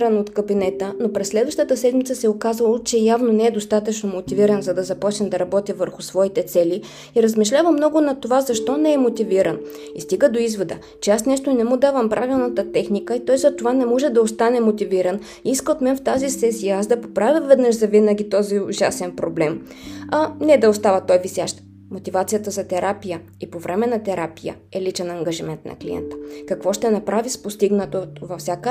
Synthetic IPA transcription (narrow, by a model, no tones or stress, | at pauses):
ɾənot̪kəbinɛt̪ənopɾɛsːlɛd̪vəɐʃt̪ət̪əsɛd̪mit̪səsɛokazəlˠt͡ʃɛjavnonɛɛd̪ost̪at̪ət͡ʃnomot̪iviɾənzɐd̪ɐzɐpɔt͡ʃnɛmd̪ɐɾɐbɔt̪ʲivəɾxʊsvɔit̪ɛt̪sɛlʲi | iɾəzmiʃlʲavəmnɔɡʊnɐt̪ovazɐʃt̪ɔnɛɛmot̪iviɾən | ist̪iɡəd̪oizvod̪ə | t͡ʃɛasnɛʃt̪oinɛmud̪avəmpɾʔavilˠnət̪ət̪ɛxnikəit̪ɔjzɐt̪ovanɛmɔʒɛd̪ɐost̪anɛmot̪iviɾən | iiskəot̪mɛnft̪azisɛsijəazd̪ɐpopɾavʲjəvɛd̪nəʃzɐvinəɡʲit̪ɔzioʒasɛnpɾoblɛmɐnɛd̪ɐost̪avɐt̪ɔjvisjaʃt̪ | mot̪ivat̪sijət̪əzɐt̪ɛɾapijə | ipovɾʔɛmɛnɐt̪ɛɾapijə̰ | ɛlit͡ʃɛnɐŋɡɐʒimɛnt̪nɐ̰klijɛ̰nt̪ə̥kɐkvɔʃt̪ɛnɐpɾavispost̪iɡnət̪ovɐfsʲjakə